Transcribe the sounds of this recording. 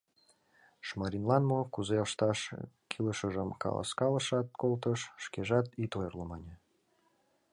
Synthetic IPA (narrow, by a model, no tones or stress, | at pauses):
ʃmɑɾʲinlɑnmokuzeəʃt̪ɑʃ | kʰiləʃəʒəmkɑ̰lɑ̰skɑləʃɑt̪̚kolt̪əʃːkeʒɑt̪it̪ojərləmɑnʲe